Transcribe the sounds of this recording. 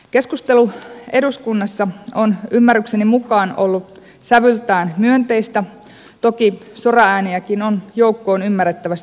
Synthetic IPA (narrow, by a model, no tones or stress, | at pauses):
ke̞skust̪e̞lue̞duskunːɑsːɑonymːærːyksenimukɑːnolːu | sæʋylt̪æːnmyønt̪e̞ist̪æ | t̪o̞kisorɑæːniækinonjoukːo̞ːnymːærːˑet̪ːæʋæst̪